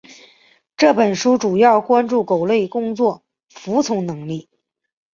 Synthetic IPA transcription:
ʈ͡ʂɤ˥˩pə˨˩nʂu˥ʈ͡ʂu˨˩jɑ˥˩ʊkwa˥nʈ͡ʂu˥˩ko˨˩ʊle˥˩ɪkʊ˥ŋt͡swɔ˥˩ | fu˧˥t͡sʰʊ˧˥ŋnɤ˧˥ŋli˥˩

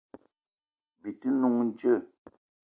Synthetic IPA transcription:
bi˨tɨ˦nu˦ŋn̩˦d͡ʒə˦˨

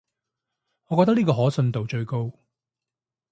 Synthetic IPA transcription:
ŋɔː˨˧kɔː˧t̪ɐ˥kniː˥kɔː˧ɦɔː˨˥sɵ˧nt̪o˨wt͡ʃɵ˧ɥko˥˧w

